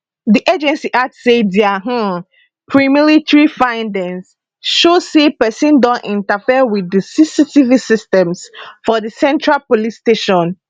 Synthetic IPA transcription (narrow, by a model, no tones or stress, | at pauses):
ðiʔed͡ʒɛ̃nsiʔatsediaɦ̩ | pʰɹimilitɹifãɪ̃ndɛ̃ŋs | ʃozsepɛsĩndɔ̃nʔḭ̃ntafiəwiðəsisitivisistɛ̃msfɔðəsɛ̃ntʰɹalpolisteʃɔ̃n